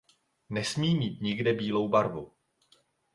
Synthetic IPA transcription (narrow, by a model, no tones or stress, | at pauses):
nɛsmiːmiːt̪ɲɪɡdɛbiːlo̞wbaɾvu